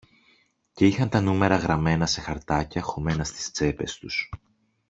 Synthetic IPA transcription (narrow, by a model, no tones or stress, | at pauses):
ce̞ixɐnt̪ɐnume̞ɾɐɣɾɐme̞nɐse̞xɐɾt̪ɐcɐxo̞me̞nɐst̪i̥st͡se̞pe̞̰st̪us